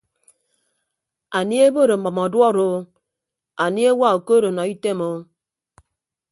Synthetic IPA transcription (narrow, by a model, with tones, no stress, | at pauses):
a˨ni˦e˦bo˦˨ɾo˨m̩˨ɔ˨mɔ˨dwɔ˦ɾo˦ | a˨ni˦e˦wa˦˨o˨ko˦ɾo˨nɔ˨i˦te˦mo˦